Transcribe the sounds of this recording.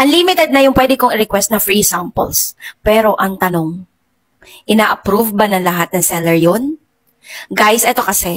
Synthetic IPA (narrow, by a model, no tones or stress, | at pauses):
ʔɐnlimɪt̪ɛd̪̚nɐjʊŋpwɛd̪ɪkoŋɪɾɪkwɛst̪̚nɐŋfɹisampo̰lspɛːɾo̞ʔɐŋt̪ɐno̞ŋ | ʔɪnaːʔɐpɾuvbɐnɐŋlɐɦat̪̚nɐŋsɛlɛɹjon | ɡajsʔɛt̪o̞kɐsɛ